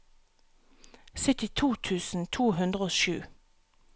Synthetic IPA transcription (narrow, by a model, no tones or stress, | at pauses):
sʏt̪ɪt̪ʰuːt̪ʰʉːsn̩t̪ʰuːhʉnd̪ʁəoːʃʉ̰ː